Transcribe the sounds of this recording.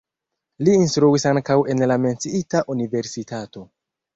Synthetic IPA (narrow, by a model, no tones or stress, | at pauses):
liːnstɾuisaŋkawe̞nlame̞nt͡siitaʔunive̞ɾsitato̞